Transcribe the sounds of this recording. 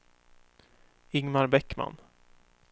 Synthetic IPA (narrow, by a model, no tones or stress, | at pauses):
ɪŋmaɾbɛkːma̰n